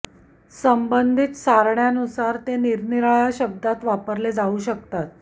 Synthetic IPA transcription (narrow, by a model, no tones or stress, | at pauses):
səmbənd̪ʱit̪saɾɳjanusaɾt̪eniɾniɾajaɕəb̚d̪at̪ʋapəɾled͡zauːɕəkt̪at̪̚